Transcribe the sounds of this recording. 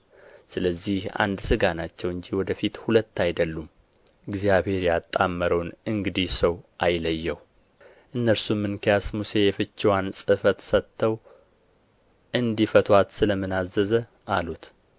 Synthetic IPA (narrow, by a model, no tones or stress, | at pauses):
sɨləzːiha̰nd̪sɨɡanat͡ʃːɛwɨɲd͡ʒiwɔd̪əfit̪hulət̪ːajd̪əlːum | ɨɡzjaβhe̞ɾjat̪ʼːamːəɾəwnɨŋɡɨd̪ihsəwʔajləjːɛw | ʔɨnːəɾsumːɨnkʰijasmuse̞jɛfɨt͡ʃːiwansʼɨfət̪sət̪ʰːəw | ʔɨnd̪ifət̪ʰwat̪sɨləmɨnazːəzə | ʔalut̪